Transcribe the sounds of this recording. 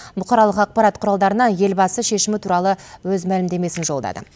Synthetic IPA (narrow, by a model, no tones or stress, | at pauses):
bʊqʰɑɾɑlˠəqɑq̚pɑɾɑt̪qʰʊɾɑlˠd̪ɑɾənɑje̞lbɑsəʃe̞ʃɪmɪt̪ʰuɾɑlˠəwɵzmælɪmd̪e̞me̞sɪnʒo̞lˠd̪ɑ̰d̪ə̰